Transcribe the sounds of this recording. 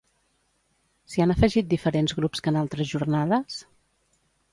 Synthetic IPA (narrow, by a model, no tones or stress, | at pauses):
sianəfəʒit̪̚d̪ifəɾenzɣɾupskənalˠt̪ɾəzʒurnaðəs